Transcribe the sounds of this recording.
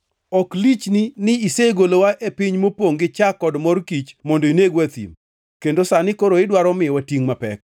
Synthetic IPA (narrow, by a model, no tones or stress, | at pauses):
ɔklit͡ʃninɪiseɡolowaʔepiɲmopwoŋɡɪt͡ʃakːɔdmɔrkit͡ʃmɔndoineɡwat̪ḭm | kendosanɪkoɾoɪdwaɾɔmɪɔwatiŋmapɛ̰k̚